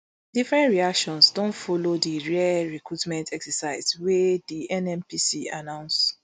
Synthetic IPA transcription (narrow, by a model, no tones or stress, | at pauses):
difɹɛ̃ntɹiakʃɔ̃nsdɔ̃ntfɔlodiɹɛaɹɛkɹutmɛ̃ntʰɛksɛsaɪzwɛdiʔɛ̃nɛ̃mpisia̰nãʊ̃ns